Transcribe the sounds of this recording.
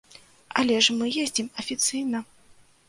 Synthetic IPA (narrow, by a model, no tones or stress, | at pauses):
ɐ̰lʲɛʐmɨjezʲd͡zʲimɐfʲit̪sɨjnɐ